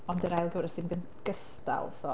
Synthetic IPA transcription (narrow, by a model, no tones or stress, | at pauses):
ɔndəɾajlˠɡuːɾəsdɪnɡən | ɡ̥əsta̰lˠsɔ